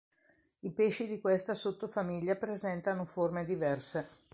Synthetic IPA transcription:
ipeʃid̪ikwest̪asot̪ːofamiʎːapɾezɛnt̪anoformed̪ivɛrse

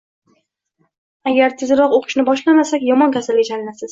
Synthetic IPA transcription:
aɡʲaɾt̪ʰɪzɾɒqoqʰɨ̥ʃnɪbɒʃlamasakʲjɒmɒnkʲʰasalɡʲat͡ʃʰalɪnasɪz

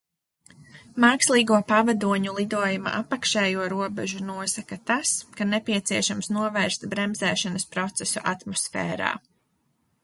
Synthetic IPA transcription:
maːkslˠiːɡuɔpavad̪uɔɲulˠid̪uɔjuma̰ʔapakʃɛːjuɔɾuɔbɛʒunuɔsakat̪askanɛpiɛt̪siɛʃamsnuɔvɛːɾst̪bɾɛmzɛːʃanɐspɾɔt̪sɛsuʔat̪mɔsfɛ̰ːɾa̰ː

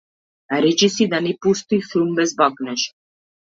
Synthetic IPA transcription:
aɾit͡ʃisid̪anipust̪ixumbɛsbakʼnɛʃ

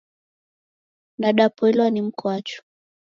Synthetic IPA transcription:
naɗapɔɛlwanim̩kwat͡ʃu̥

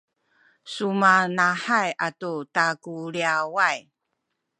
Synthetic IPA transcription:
sumanaħajʔatutakuliawaj

